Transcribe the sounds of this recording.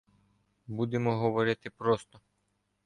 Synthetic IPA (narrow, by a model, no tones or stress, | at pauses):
bud̪emɔɦɔʋɔɾɪt̪ɪpɾɔst̪ɔ